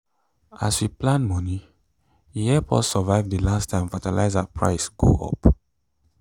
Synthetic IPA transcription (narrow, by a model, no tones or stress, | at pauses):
ʔaswiplãnmɔni | wihɛpʰɔ̰ssɔvaɪvdelastʰːãɪ̃mfatala̰ɪzapʰɹa̰ɪsɡ̥o̰ʔɔ̰p